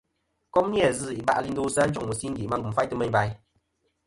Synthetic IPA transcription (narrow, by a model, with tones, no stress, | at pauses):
kɔ˦mni˦a˨zɨ˦˨i˨ba̰˦˨ʔli˧n̩˦do˦sa˦n˦t͡ʃɔ˦˨ŋmu˨si˦ŋ̩˦ɡi˨ma˦ŋɡu˨fa˦jtɨ˦mɛ˦ɲba˧j